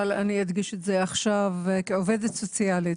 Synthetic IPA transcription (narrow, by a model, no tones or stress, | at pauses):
alaniidɡiʃetzeaχʃavkeove̞d̪etso̞t͡siali